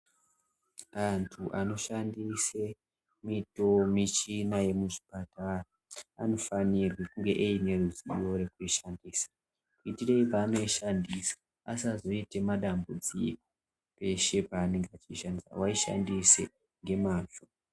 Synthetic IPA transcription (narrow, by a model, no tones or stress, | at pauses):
antʰuʔano̞ʃandise̞ | mito̞mit͡ʃinaje̞muʐi̥pataraano̞fanirwekuŋɡe̞ʔeine̞ruziijo̞ɾe̞kuiʃandiːsḁ | kuitireipaːno̞iʃandisḁ | asazo̞ite̞maɗambud͡ziko | pe̞ʃe̞paːne̞ŋɡeat͡ʃiʃandisa̰waiʃa̰ndise | ŋɡe̞maːnʐo